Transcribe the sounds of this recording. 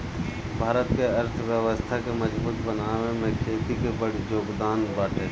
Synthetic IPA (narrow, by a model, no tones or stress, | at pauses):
bʱaːɾət̪keɐɾt̪ʰʋjəwəst̪ʰakeməd͡ʒbuːt̪bənaːʋemẽkʰeːt̪ikebəɽd͡ʒoːɡd̪aːnbaːʈʰeː